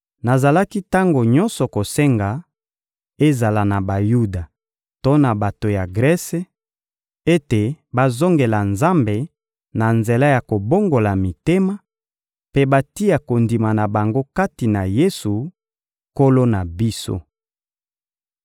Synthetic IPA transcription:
na˨za˨la˦ki˦ta˦ŋɡo˨ɲɔ̃˦nsɔ˨ko˨sɛ˦ŋɡa˨ | e˦za˨la˨na˨ba˨ju˦da˨ | to˦na˨ba˨to˨ja˨ɡʁɛ˦se˦ | e˦te˨ba˦zo˦ŋɡe˨la˨nza˦mbe˨ | na˨nze˨la˦ja˨ko˨bo˦ŋɡo˨la˨mi˨te˦ma˦ | pe˦ba˦ti˦ja˨ko˨ndi˨ma˨na˨ba˨ŋɡo˦ka˦ti˨na˨je˦su˨ | ko˦lo˦na˨bi˦so̰˦

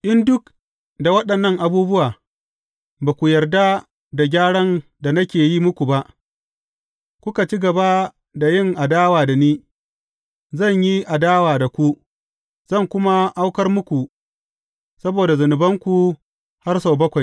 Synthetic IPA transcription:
ʔɪ˦ndʊ˦k | da˨wɐ˦ɗɐ˨nːɐ˦ŋʔa˨buː˦bʊ˦waː˨ | baː˨kʷu˨jɐ˨rda˦ | da˨ɡʲaː˦ɽɐ˦nda˨nɐ˦kʲeː˨ji˦mʊ˦kʷu˨ba˦ʔ | kʷʊ˦ka˨t͡ʃi˦ɡɐ˨ba˦ | da˨jɪ˦˨ŋʔa˨daː˦waː˨da˨niː˦ | zɐ˦˨ɲji˦ʔa˨daː˦waː˨da˨kʷu˦ | z̥ɐ˦˨ŋkʷʊ˦ma˦ʔa˦wkɐ˦rmʊ˦kʷu˨ | sɐ˦boː˨da˨zʊ˨nʊ˨bɐ˦ŋkʷu˨ | ha˦rsa˨wbɐ˦kʷa˨j

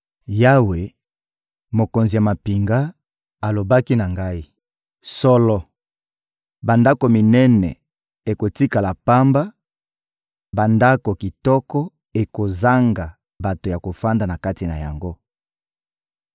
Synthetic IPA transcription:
ja˦we˨ | mo˨ko˨nzi˨ja˨ma˨pi˨ŋɡa˦ | a˨lo˨ba˦ki˦na˨ŋɡa˦i˦ | sɔ˦lɔ˦ | ba˨nda˦ko˨mi˨nɛ˦nɛ̰˨ | e˨ko˨ti˦ka˨la˨pa˦mba˦ | ba˨nda˦ko˨ki˨tɔ˦kɔ˦ | e˨ko˨za˦ŋɡa˨ | ba˨to˨ja˨ko˨fa˦nda˨na˨ka˦ti˨na̰˨ja̰˨ŋɡo˦

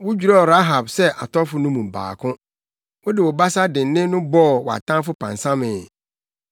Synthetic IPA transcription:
wʊ˦d͡ʑᶣu˨ɾɔ˦˨ɾa˦ɦa˨bsɛ˦ʔa˨tɔ˦fʊ˨˦nʊ̃˦mũ˨m̩˨ba̰ː˨kʰʊ̃˦ | wʊ˦dɪ˨wɔ˨ba˦sa˦dɪ̃˨n˨˦nɪ̃˦nʊ̃˦bɔ˦˨wɔ˨a̰˨tʰã˦fʊ˦pʰã̰˨nsã˦mɪ̃˨

